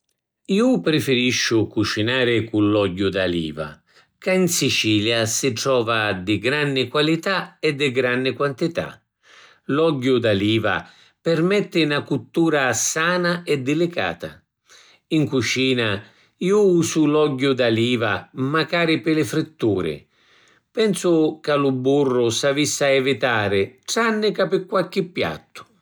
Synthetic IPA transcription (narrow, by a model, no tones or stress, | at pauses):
iːʊpɾɪfɪɾiʃːʊkut͡ʃinaːɾɪkulːɔɟːʊd̪alḭːva̰ | kainsit͡ʃiːljasɪʈɾɔːvad̪ɪɡɾanːɪkwalit̪aɛd̪ːɪɡɾanːɪkwant̪it̪a̰ | lɔɟːʊd̪aliːva̰ | pɪrmɛt̪ːɪnakut̪ːuːɾasaːnaɛd̪ːɪlɪka̰ːt̪a̰ | iŋkut͡ʃiːna | iːʊuːsʊlɔɟːʊd̪aliːva̰makaːɾɪpɪlɪfɾɪt̪ːuːɾɪ̰ | pɛnsʊkalʊbːurːʊsavisːaɛvɪt̪aːɾɪʈɾanːɪkapɪkːwalk̟ɪpːja̰t̪ːʊ̥